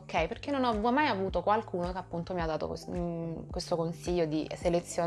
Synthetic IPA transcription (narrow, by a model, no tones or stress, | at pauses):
kʰːɛjperk̟enːonɔmːajavuːt̪okwalkuːnokeapːunt̪omiad̪ːaːt̪o̰ | kwest̪okonsiʎːod̪iselet̪sːjo